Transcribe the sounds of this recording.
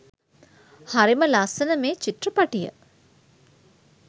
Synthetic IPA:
haɾiməlasənəmeːt͡ʃit̪rəpaʈijə̰

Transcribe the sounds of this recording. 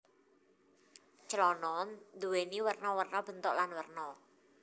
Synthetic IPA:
t͡ʃəlɔnɔnd̪uweniwərnɔwərnɔb̥ə̤nt̪oʔlanwərnɔ

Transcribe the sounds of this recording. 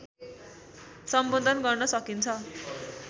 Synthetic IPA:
sʌmbod̪ʱʌnɡʌrnʌsʌkint͡sʰʌ

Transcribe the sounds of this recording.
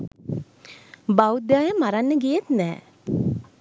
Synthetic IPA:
baud̪jaːjəmaɾanːəɡijet̪nɛː

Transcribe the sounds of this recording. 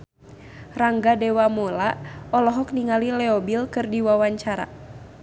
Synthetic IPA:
raŋɡadɛwamɔlaɔlɔɦɔk̚niŋalilɛɔbilkɨrdiwawaɲt͡ʃaɾa̰

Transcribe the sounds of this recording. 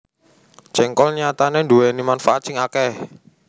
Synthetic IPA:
t͡ʃɛŋkɔlɲat̪anenduwɛnimanfaʔat̪̚t͡ʃɪŋakɛh

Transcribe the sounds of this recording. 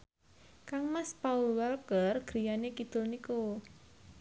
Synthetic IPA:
kaŋmaspaulwalkərɡ̥ɾijanekid̪̥ʊlniko

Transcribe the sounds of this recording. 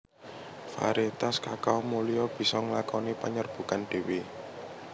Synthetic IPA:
fa̰ɾet̪askakawmulijɔb̥i̤sɔŋlakɔnipaɲərb̥ṳkand̪̥e̤we

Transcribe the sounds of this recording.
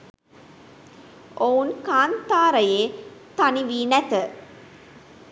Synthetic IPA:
ʔounkaːnt̪aːɾɐjeːt̪ɐniʋiːnɐt̪ə

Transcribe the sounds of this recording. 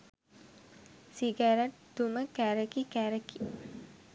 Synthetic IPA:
siɡaɾaʈd̪uməkæɾəkikæɾəki

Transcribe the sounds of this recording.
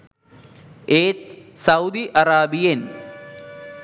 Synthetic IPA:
eːt̪sɐud̪iʔɐɾaːbijen

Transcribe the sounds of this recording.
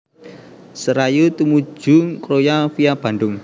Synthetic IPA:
səɾajut̪umu̥d͡ʒʒ̥uŋkɾojafiab̥a̤nɖʊŋ

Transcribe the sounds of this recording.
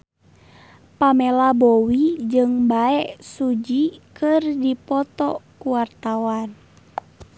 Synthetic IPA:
pamɛlabowid͡ʒɨŋbaɛʔsud͡ʒikɨrdipɔt̪ɔkuwart̪awan

